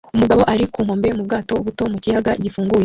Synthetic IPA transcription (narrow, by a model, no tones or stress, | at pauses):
umuɡaβo̞ʔaɾikuːŋ̥ho̞ːmbemub̚ɡaːto̞uβuto̞mucijaɡaɟifuːŋɡuje